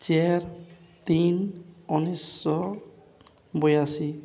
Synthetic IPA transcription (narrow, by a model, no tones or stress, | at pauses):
t͡ʃɛɾ | t̪inɔnisːɔ | bojasi